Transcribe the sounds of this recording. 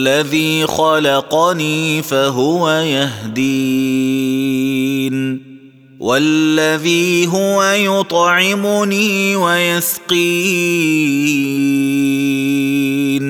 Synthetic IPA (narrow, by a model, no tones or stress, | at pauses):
aðiːxɑlɑqɑniːfaɦʊwajaɦd̪iː | n | wʔalːaðiːɦʊwajʊt̪ˤʕɪmʊniːwajasqiː | n